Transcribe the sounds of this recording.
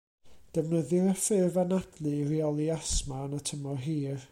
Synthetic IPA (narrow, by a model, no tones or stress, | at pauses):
d̥əvnəðɪɾəfɪrvanad̥lˠɨriɔlˠiasmaənatʰəmɔɦiːr